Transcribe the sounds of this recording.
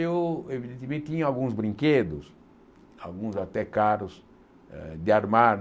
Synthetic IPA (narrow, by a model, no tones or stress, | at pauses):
ewevid̪ẽnt̪ɪmẽnt̪t̪ĩɲʊalɡũzbɾĩŋked̪ʊs | a̰lɡũzat̪ɛkaɾʊz | d̪ɪaɾmad